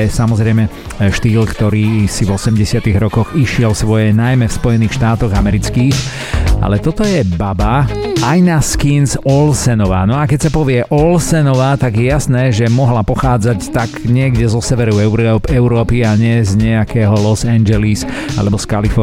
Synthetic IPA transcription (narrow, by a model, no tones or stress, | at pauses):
ɛsamɔzɾɛjmɛ | ʃt̪iːlkt̪ɔɾiːsivɔsɛmɟɛsɪat̪iɣɾɔkɔɣiʃɪɛlsʋɔjɛnajmɛfspɔjɛniːxʃt̪aːt̪ɔɣamɛɾit͡skiːx | a̰lɛt̪ɔt̪ɔjɛbabaajnaskinsɔlsɛnɔʋaːnɔakɛcsapɔʋɪɛʔɔlsɛnɔʋaːt̪aɡjɛjasnɛːʒɛmɔɦlapɔxaːd͡zact̪aɡɲɪɛɡɟɛzɔsɛʋɛɾuɛɾpɛʊɾɔːpiaɲɛzɲɛakɛːɦɔlɔsand͡ʒɛlis | a̰lɛbɔskalifɔ